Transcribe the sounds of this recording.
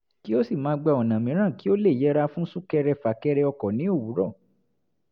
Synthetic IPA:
ki˦o˦si˦˨mãː˨˦ɡ͡ba˧˨ɔ˨nã˨mĩ˨˦ɾ̃ã˦˨ki˦o˦le˦˨jɛ˨˦ɾa˧fũ˦n̩˦su˦kɛ˧ɾɛ˧fa˨kɛ˧ɾɛ˧ɔ˧kɔ˨nĩ˨˦o˦˨wu˨˦ɾɔ˦˨

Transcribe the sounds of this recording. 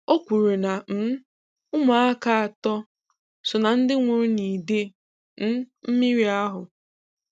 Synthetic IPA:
o˦kʷu˨ɾe˨na˨m̩˨˦ | ʊ˦ma˨a˦ka˦a˨tɔ˦ | sʊ˨na˨n̩˦dɪ˦ŋʷo˨ɾu˦ni˨de˦ | n̩˦m̩˦mi˦ɾi˦a˦ɦʊ˨

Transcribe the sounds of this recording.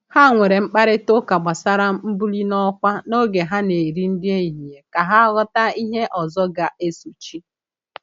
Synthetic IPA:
ha˦˨ŋʷe˨ɾe˨ŋ͡m̩˦k͡pa˦ɾɪ˦tʊ˦ka˨ɡ͡ba˨sa˦ɾa˦m̩˦bu˦li˦nɔ˦kʷa˦no˦ɡe˨ɦa˦ne˨ɾi˦n̩˦dɪ˦e˦˨ɦi˨e˨ka˨ɦa˦ɣɔ˦ta˦i˦ɦe˦ʔɔ˨zɔ˦ɡa˨e˦su˨t͡ʃi˦

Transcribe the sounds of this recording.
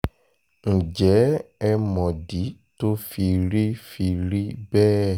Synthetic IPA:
ŋ̩˨d͡ʒɛ˨˦ɛ˦mɔ̃˨di˨˦to˦fi˧ɾi˦fi˧ɾi˦bɛː˦

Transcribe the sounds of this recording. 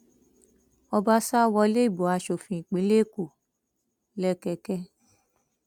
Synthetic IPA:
ɔ˧ba˦sa˦wɔ˧le˦i˦˨bo˨a˨˧ʃo˨fĩ˧˨i˨k͡pĩ˨˦le˦˨ko˨ | lɛ˦kɛ˧kɛ˧˦

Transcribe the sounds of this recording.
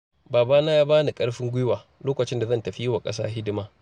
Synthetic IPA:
baː˨baː˦naː˦jaː˦baː˦ni˨kʼɐ˦ɽɸɪ˦ŋɡʷʊ˦jwaː˨ | loː˦kɐ˨t͡ʃɪ˦nda˨zɐ˦˨ntɐ˨ɸi˦jɪ˦wa˨kʼɐ˦s̬a̰ː˦ɦɪ˦dɪ˦maː˦

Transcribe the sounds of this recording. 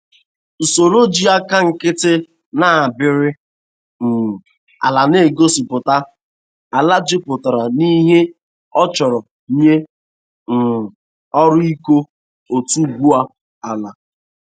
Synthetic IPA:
so˨ɾo˦d͡ʒi˦a˦ka˦ŋ̩˨kɪ˦tɪ˦ | na˦a˨bɪ˨ɾɪ˦ | n̩˨ | a̰˨la˨ne˦˨ɡo˦si˨pʊ˨ta˦ | a˨la˦d͡ʒɪ˦pʊ˨ta˨ɾa˨ni˦ɦe˦ | ɔ˦t͡ʃɔ˨ɾɔ˨˦ | ɲe˦ | n̩˨ | ɔ˦ɾʊ˦i˦ko˦ | o˨tu˦˨ɡʷu˦a˦ | a˨la˨

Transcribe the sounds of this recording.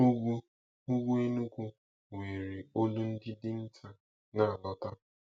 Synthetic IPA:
u˦ɡu˦ | u˦ɡu˦e˦nu˦kʷu˦ | ŋʷe˨ɾe˨o˦lu˦n̩˦dɪ˦dɪ˦n̩˦ta˦ | na˦˨a˨lɔ˦ta˦

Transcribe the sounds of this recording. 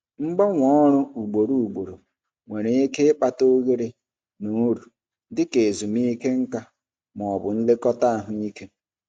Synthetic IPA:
ŋ͡m̩˦ɡ͡bɔ˦ŋʷɔ˦ɾʊ˦u˨ɡ͡bo˨ɾu˨u˨ɡ͡bo˨ɾo˨ | ŋʷe˨ɾe˨i˦ke˦ɪ˦k͡pa˦to˦ɣe˦ɾe˨ | nu˨˦ɾu˨ | dɪ˦ke˨zu˨mi˦ke˦ŋ̩˦ka˦ | m˨ɔ˨ɔ˨bʊ˨n̩˦lɪ˦kɔ˦ta˦a˨ɦʊ˦i˦ke˦

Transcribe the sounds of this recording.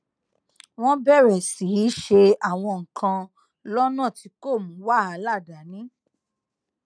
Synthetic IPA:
w̃ɔ̃˦bɛ˦˨ɾɛ˨si˨˦i˨˦ʃe˧a˨w̃ɔ̃˧ŋ̩˨kʰã˧ | lɔ˦nãː˦˨ti˨˧˦ko˦˨mũ˨˦wa˦˨a˨˧˦la˦˨da˨˦nĩ˨˦

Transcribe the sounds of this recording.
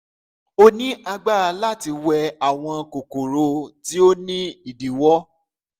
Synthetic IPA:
o˦nĩ˦ʔa˧ɡ͡ba˦a˧la˦ti˧wɛ˧a˨w̃ɔ̃˧ko˨ko˨ɾo˧˦ti˦o˦nĩ˦i˨di˨wɔ˦

